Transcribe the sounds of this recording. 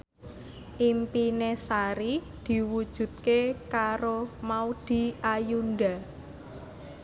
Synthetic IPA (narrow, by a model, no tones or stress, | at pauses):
ʔimpinesaɾi | d̪̥i̤wud̥ʒ̥ṳt̪̚kekaɾomaud̪̥i̤ʔajunɖa